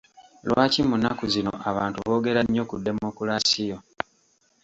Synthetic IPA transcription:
lwaːcimunːakuzino̞̰ʔaβaːntuβo̞ːɡe̞ɾaɲːo̞kudːe̞mokulasijo

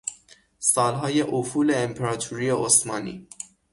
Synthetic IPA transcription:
sɒːlɦɒːjeʔufuːleːmpʰeɾɑt̪ʰuɾijeʔosmɒːnḭː

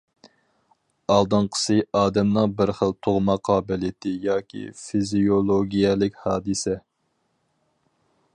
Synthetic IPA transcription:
ɑlˠd̪ɨɴqʰə̥sɨɑːd̪ɛmnɨŋbɪɾχəlˠt̪ʰoʁmɑqʰɑːbɪlit̪ʰɪjɑːkʲʰḭfizijolˠoɡʲijɛlɪkʲhɑːd̪ɨsɛ

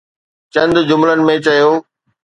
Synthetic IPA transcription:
t͡ɕɐ̃nd̪d͡ʑʊmlənɪ̆mẽt͡ɕɐjoː

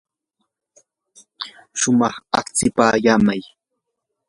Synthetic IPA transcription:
ʃʊmɑχɑχt͡sɪpaːjaːmaj

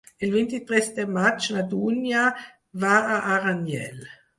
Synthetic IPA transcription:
ilvent̪it̪ɾɛst̪emat͡ʃnad̪unja | vaːʔːɾanjɛ̰l

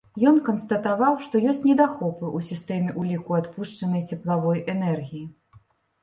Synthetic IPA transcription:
jɔnkɐnst̪ɐt̪avawʂt̪ɔjɔsʲt͡sʲnʲɛd̪axɔpɨʔusʲist̪ɛmʲɛʔulʲikuat̪puʂt͡ʂɐnɐjt͡sʲɛplˠavɔjʔɛnɛrɣʲiji

